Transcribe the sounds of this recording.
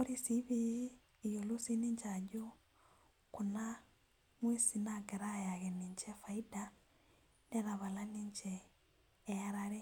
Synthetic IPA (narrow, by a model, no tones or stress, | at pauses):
oɾisiβiː | jolosiniɲt͡ʃaɟu | kuna | mwesinaɡɛɾajaɣɛniɲt͡ʃɛfaida | nɛɾaβalaniːɲt͡ʃɛː | aɾaɾe